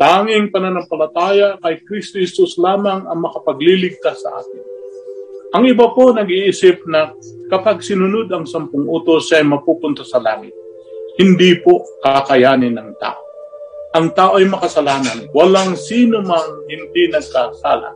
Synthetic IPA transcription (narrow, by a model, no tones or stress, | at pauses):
t̪aːŋɪŋpɐnɐnɐmpɐlɐt̪aːjakɐjkɾist̪ohɛsuslaːmɐŋɐŋmɐkɐpɐɡlilɪɡ̚t̪asːɐ̰ʔa̰ːk̪ɪn | ʔɐŋɪbapo̞nɐɡʔʔisɪp̚nɐ | kɐpaɡ̚sɪnʊnod̪ɐŋsɐmpʊŋʔuːt̪osɐɐjmɐpupʊnt̪asɐla̰ːŋɪt̪̚ | hɪnd̪ipo̞kakɐjaːnɪnːɐŋt̪a̰ːʔo | ʔɐŋt̪aːʔo̞ʔɐjmɐkɐsɐlaːnɐnwɐlaŋsiːnomɐŋhɪnd̪inɐɡ̚kasa̰ːlɐ̰